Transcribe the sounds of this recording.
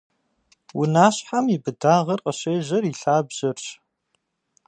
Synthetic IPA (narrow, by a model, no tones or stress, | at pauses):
wʊnaːɕħamibɨdaːʁɐrqʼɐɕeːʑɐriɬaːbʑ̥ɐrɕ